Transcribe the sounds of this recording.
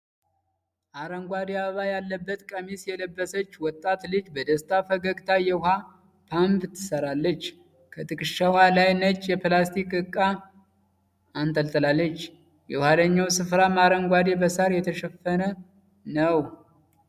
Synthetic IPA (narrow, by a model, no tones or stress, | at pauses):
ʔaɾəŋɡʷad̪ejaβəβajalːəbːət̪kʼəmisjɛləbːəsət͡ʃːwɔt̪ʼːat̪lɨd͡ʒbəd̪əst̪ʰafəɡəɡt̪ʰajɛwha | pʰampt̪ʰːɨ̥səɾalːət͡ʃː | kʰət̪ʼɨkʼɨʃawalajnət͡ʃʼjɛplast̪ʰikʼɨkʼːa | ant̪ʰəlt̪ʰəlalːət͡ʃː | jɛwhaləɲːawsɨfɾamaɾəŋɡʷad̪ebəsaɾjɛt̪ʰəʃɛfːənə | nəw